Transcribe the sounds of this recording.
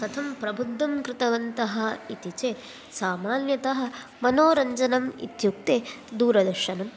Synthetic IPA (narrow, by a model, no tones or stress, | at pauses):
t̪ɐt̪ʰɐmpɾɐbʱud̪ːɐmkɾɪt̪ɐʋɐnt̪ɐɦɐ̆it̪it͡ʃeː | saːmaːnjɐt̪ɐɦɐ̆ | mɐnoːɾɐɲd͡ʒɐnɐmḭt̪juk̚t̪eː | d̪uːɾɐd̪ɐɾʃɐnɐm